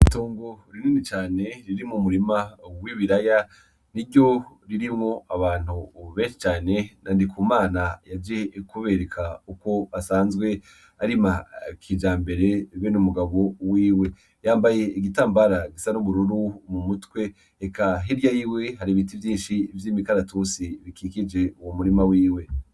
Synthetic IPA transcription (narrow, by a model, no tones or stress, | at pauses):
ituːŋɡoɾininit͡ʃaːne̞ɾiɾimŋumuɾimawiβiɾaja | niɾɟo̞ɾiɾimŋo̞aβaːn̥huβeːnʃi̥t͡ʃaːne̞nandikʰumaːnajad͡ʒekuβeɾekʰauko̞asaːnzɡwe̞ | aɾimakʰid͡ʒaːmbe̞ɾe̞βenumuɡaβo̞wiːwe̞ | jaːmbaje̞iɡitaːmbaɾaɡisanuβuɾuɾumumutwe̞ | ekaɦeɾjajiwe̞ɦaɾiβit̬ivjiːnʃivjiːmikaɾatusiβikikid͡ʒe̞uwomuɾimawiːwe̞